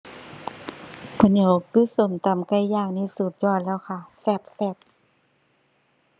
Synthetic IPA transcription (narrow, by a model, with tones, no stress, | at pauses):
pʰa˧˨ɲo˧˦kɯː˧˥˨so˨˦mt̪a˨˦mka˧˩jjaː˧˩k̚na˧˨suː˨˩t̪̚jɔː˧˩˨t̪̚lɛː˧˨wkʰa˧˩sɛ˧˩p̚sɛ˧˩p̚